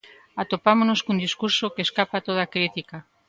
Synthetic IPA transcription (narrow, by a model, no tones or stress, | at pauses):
at̪opamonoskund̪iskuɾsokeːskapat̪oð̞akɾit̪ika